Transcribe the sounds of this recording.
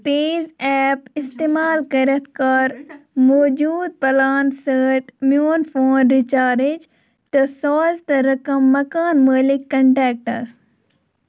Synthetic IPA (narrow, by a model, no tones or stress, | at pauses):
peːzɛːpɪst̪eːmaːlkɐɾɐt̪ʰkɐɾmoːd͡ʒuːd̪̚pɐlaːnsəːt̪mjuːnfoːnɾɪt͡ʃaːɾɪd͡ʒ | t̪ɐsɔːzt̪ɐɾɐkɐmːɐkaːnməːlɪkːɐɳʈɛːk̚ʈɐs